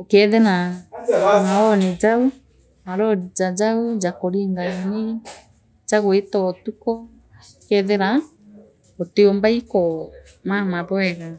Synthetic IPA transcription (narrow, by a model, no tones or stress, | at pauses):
okɛðɛna | maɔned͡ʒau | maɾɔɾid͡ʒad͡ʒaud͡ʒakoɾiŋɡaini | d͡ʒaɣoetɔtukɔ | kɛðɛɾa | ɔteombaikɔ | mamaðɔɛɣa